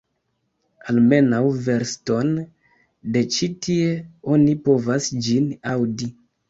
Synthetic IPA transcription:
alme̞nawve̞ɾsto̞n | de̞t͡ʃitʰieo̞nipo̞vasd͡ʒinawdi

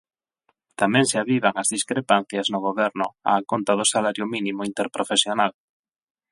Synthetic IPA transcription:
t̪amɛ̃ŋseaβiβaŋazðiskɾepan̟θjɐznʊɣ̞oβɛɾnʊ̰a̰ːkont̪aðʊsalaɾjʊminimʊint̪eɾpɾofesjonal

